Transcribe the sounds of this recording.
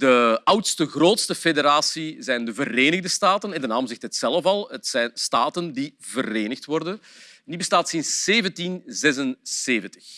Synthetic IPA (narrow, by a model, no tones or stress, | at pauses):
dəʌwtstəɣroːtstəfedeɾaːsizɛjndəvəreːnəɣdəstaːtənɛndənaːmzɪxtəɦətsɛləfɑlˠɦətsɛjnstaːtəndivəreːnəxtʋɔrdənnibəstaːtsɪnsːeːvəntinzɛz̬ənseːvəntə̥x